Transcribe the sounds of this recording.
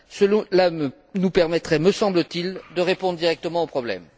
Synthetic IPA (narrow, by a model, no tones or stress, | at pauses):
səlɔ̃lamə | nupɛʁmɛt̪χɛməsɑ̃blət̪ild̪əʁepɔ̃d̪ʁəd̪iʁɛk̚t̪əmɑ̃opχɔblɛ̰m